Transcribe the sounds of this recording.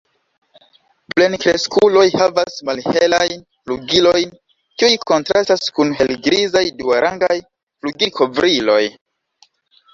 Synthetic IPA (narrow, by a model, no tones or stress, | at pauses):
ple̞nkɾeskulo̞jhavasmalhelajn | fluɡilo̞jn | kiujko̞ntɾastaskunɦe̞lɡɾizajduaɾʔaŋɡaj | fluɡikʰovɾilo̞j